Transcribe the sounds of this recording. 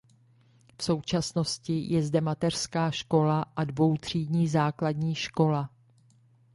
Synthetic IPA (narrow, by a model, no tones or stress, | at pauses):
fso̞wt͡ʃasno̞scɪjɛzdɛmat̪ɛr̥skaːʃko̞laʔadvo̞wt̪r̝̥iːdɲiːzaːkladɲiːʃko̞la